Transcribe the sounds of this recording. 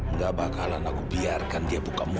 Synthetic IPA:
ŋɡabakalanakubiarkandiabukamu

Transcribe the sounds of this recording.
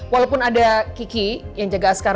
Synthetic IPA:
walawpʊnadakikijaŋd͡ʒaɡasə̥kaɾ

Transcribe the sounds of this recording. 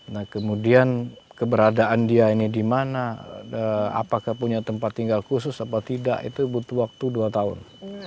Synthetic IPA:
nahkəmudiankəbəɾadaʔandiainidimanaəa̰pakahpuɲat̪əmpat̪ːiŋɡalkus̬ʊsapat̪ida̰ʔḭt̪ubut̪uwak̚t̪uduat̪aʊ̰n

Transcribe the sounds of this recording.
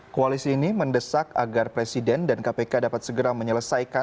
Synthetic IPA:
koalisiːniməndəsak̚a̰ɡarpɾesidɛndankapekadapat̪̚səɡəɾaməɲələsajka

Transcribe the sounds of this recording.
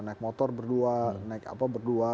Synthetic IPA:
naɪk̚mɔt̪ɔrbərduanaɪka̰pabərdua

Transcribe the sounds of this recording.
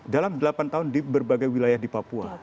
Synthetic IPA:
dalamdəlapant̪aɦʊndibərbaɡajwilajahdipapua̰

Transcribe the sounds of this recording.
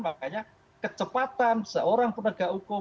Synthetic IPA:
makaɲa | kət͡ʃəpat̪ansəʔoɾaŋpənəɡ̥a̤ʔukʊ

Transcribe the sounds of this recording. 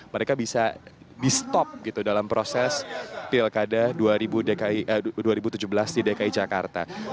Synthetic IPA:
məɾekabisa̰ | dist̪ɔp̚ɡit̪udalampɾosɛspilkadaduaɾibudekaiʔəduaɾibut̪ud͡ʒubəlasdidekaid͡ʒakart̪a̰

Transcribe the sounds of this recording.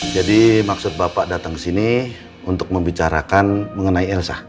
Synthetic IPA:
d͡ʒadimaksʊt̪̚bapaʔdat̪aŋkəsini | unt̪ʊk̚məmbit͡ʃaɾa̰kanməŋənaiɛlsa̰

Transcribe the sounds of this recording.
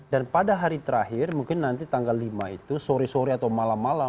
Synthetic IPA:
danpadaɦaɾit̪əɾaɦɪrmuŋkɪnːant̪it̪aŋɡalːimait̪usoɾisoɾiat̪awmalamːala

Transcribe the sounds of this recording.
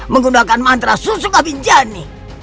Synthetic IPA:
məŋɡundakanmant̪ɾasusukabiɲd͡ʒani

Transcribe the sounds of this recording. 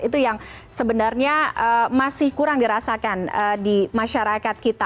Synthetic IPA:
it̪ujaŋsəbənarɲaəmasɪhkuɾaŋdiɾasakanədimaʃaɾakat̪̚kit̪a

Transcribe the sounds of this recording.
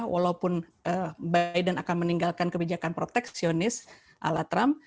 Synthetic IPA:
wʔa̰laupʊn | ʔəbajdənakanməniŋɡalkankəbid͡ʒakanpɾot̪ɛksionɪs | ʔa̰lat̪ɾam

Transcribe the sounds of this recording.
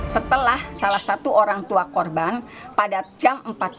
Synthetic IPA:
sət̪əlahsalahsat̪uʔoɾaŋt̪uakɔrban | padad͡ʒamm̩pat̪̚

